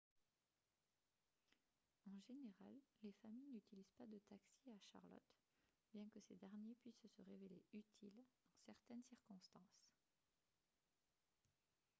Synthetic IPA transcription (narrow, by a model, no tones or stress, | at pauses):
ɑ̃ʒeneʁalːefamijnyt̪iliz̥pad̪ət̪aksiaʃa̰ʁlɔ̰t̪ | bjɛ̃kəsed̪ɛʁnjepɥissəʁeveleyt̪ʰilɑ̃sɛʁt̪ɛnsiʁkɔ̃st̪ɑ̃s